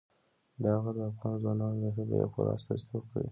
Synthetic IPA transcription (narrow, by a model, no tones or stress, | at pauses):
d̪əhaɣad̪əafɣɑnzwɑnɑnod̪əxəd̪ə̰ja̰xoɾɑ̰st̪ɑzit̪ʰobkawḭ